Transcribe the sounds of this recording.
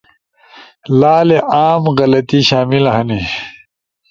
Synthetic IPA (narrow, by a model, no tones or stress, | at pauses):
laːleʔaːmɣɐlɐt̪iɕaːmilɐɦɐni